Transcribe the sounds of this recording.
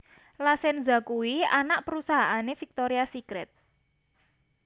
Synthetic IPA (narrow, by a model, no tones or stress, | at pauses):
lasɛnza̤kuwianaʔpəɾusaɦaʔanefik̚t̪oɾiasikɾɛt̪̚